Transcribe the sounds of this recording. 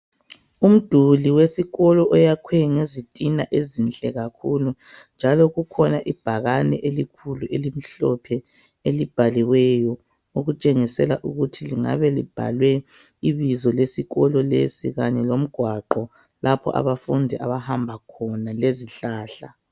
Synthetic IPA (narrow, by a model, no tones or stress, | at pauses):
um̩d̥ʱuliwesiɣɔlɔʔɔjakʰwɛŋezitʼinaʔezint͡ɬʼɛɣakʰulu | nd͡ʒʱalɔɣukʰɔnaʔib̥ʱaɣanɛ̰ʔelikʰuluʔelim̩ɬɔpʰɛ | elib̥ʱaliwɛjɔ | oɣut͡ʃʼeŋisɛlaʔuɣutʰiliŋa̰βɛlḭb̥ʱa̰lwɛ | iβizɔlesiɣɔlɔlḛsḭɣaɲɛlom̩ɡ̥ʱwaǃɔ | lapʰɔ̰ʔa̰βafundʱiʔa̰βahambʱakʰɔnaleziɬaːɬa̰